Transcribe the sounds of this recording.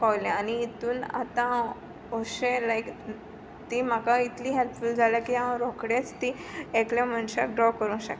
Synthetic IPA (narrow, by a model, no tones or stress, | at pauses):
kɔʋlẽaniːt̪uːna̰t̪ã | oɕelajk | t̪im̤akait̪liːɦelpfuld͡zʱaljakiãɾokɽet͡st̪ieklam̤əɳɕaɖɾɔkəɾũːɕə̰k